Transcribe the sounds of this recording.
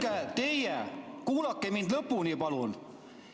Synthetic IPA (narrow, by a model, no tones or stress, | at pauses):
kæt̪ejjækuːlɑkːemind̪lɤpːunipɑlun